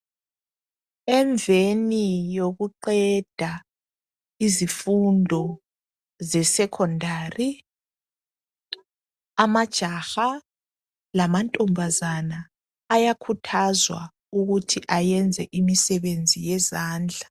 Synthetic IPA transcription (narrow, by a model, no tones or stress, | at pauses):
ɛɱvenijoɣuǃɛd̥ʱa | izifundʱɔ | zɛsɛkʰɔndʱari | amad̥ʒ̥ʱaxa | lamantʼɔmbʱazanaː | jakʰutʰazwa̰ | uɣutʰiʔajɛnd͡zʱɛʔimisɛβend͡zʱijɛzaːnd͡ɮʱa